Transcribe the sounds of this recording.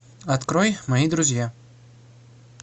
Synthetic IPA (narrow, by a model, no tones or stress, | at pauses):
ɐt̪kɾɔjmɐjid̪ɾʊzʲja